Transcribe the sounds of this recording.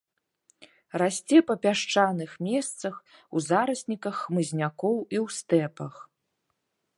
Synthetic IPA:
rasʲt͡sʲɛpɐpʲaʂt͡ʂanɨxmʲɛst̪sɐx | uzaɾɐsʲnʲikɐxːmɨzʲnʲakɔwiwst̪ɛpɐx

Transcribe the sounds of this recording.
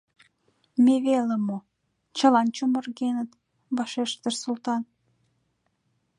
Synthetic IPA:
meβelemo | t͡ɕə̆lɑnt͡ɕomə̆rɣenət̪ | bɑʃeʃt̪ərsult̪ɑn

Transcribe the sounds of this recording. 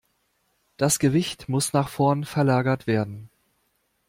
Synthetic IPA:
d̥asɡ̥əvɪçtmʊsnaːχfɔɐnfɛɐlaːɡɐtv̥eːɐdn̩

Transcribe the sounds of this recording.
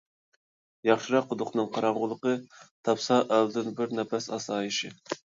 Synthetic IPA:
jɑχʃɨɾɑq̚ːʊd̪ʊqnɨŋqʰɑɾɑɴʁʊlˠəqət̪ʰɑpsɑʔæld̪ɪnbɪɾnɛpɛsɑsɑːjiʃɪ

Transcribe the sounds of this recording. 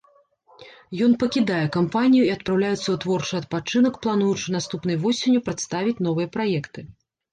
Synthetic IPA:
jɔnpɐkʲid̪ajɛkampanʲijuiɐt̪̚pɾawlʲajɛt̪sːɐut̪vɔrt͡ʂɨɐt̪̚pat͡ʂɨnɐkplˠan̪ujut͡ʂɨnast̪upn̪ɨjvɔsʲenʲːupɾat̪st̪avʲit͡sʲnɔvɨjɐpɾajɛkt̪ɨ

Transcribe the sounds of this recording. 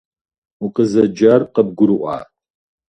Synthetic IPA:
uqəzɐd͡ʒarqɐb̚ɡʷʊɾɨʔʷɑ̰ː

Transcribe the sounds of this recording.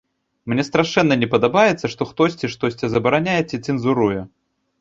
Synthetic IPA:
mnʲɛst̪ɾaʂɛnːɐnʲɛpɐd̪abajɛt̪sːɐʂt̪ɔxt̪ɔsʲt͡sʲiʂt̪ɔsʲt͡sʲɛzɐbɐɾanʲajɛt͡sʲɛt̪t͡s̪ʲɨnzuɾujɛ

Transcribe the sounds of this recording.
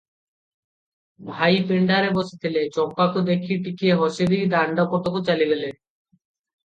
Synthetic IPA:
bʱajpeɳɖaɾebɔse̥t̪ʰelet͡ɕɔkpakod̪ekʰiʈikieɦɔʃed̪id̪aɳɖakɔʈ̪okot͡ɕaliɡele

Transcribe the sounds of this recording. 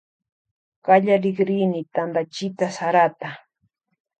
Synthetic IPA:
ɢaʎaɾɪɡɾinɪt̪and̪at͡ʃɪt̪asaɾat̪a

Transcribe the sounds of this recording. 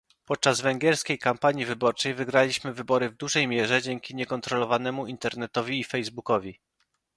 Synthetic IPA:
pɔt̪̚t͡ʂazvɛŋɡʲjɛɾskʲejkampaɲivɘbɔɾt͡ʂɛjvɘɡɾalʲiɕmɘvɘbɔɾɘvd̪uʐɛjmʲjɛʐɛd͡ʑɛŋkʲiɲɛkɔnt̪ɾɔlɔvanɛmuint̪ɛɾnɛt̪ɔvʲiːfɛjzbukɔvʲi

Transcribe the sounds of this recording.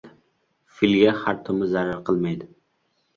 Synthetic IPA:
filɡʲɛχaɾt̪ʰomɪzaɾaɾqʰəlˠmajd̪ɪ

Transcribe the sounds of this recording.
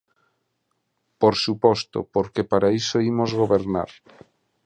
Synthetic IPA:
poɾsupɔst̪o̰poɾkepaɾaisoimozɣoβeɾna̰ɾ

